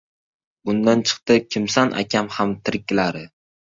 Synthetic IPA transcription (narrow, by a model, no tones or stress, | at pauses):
ʊnd̪ant͡ʃʰɨ̥qt̪ɪkʲʰɪmsanʔa̰kʲamhamt̪ʰɪɾk̚ʲːɪlaɾɪ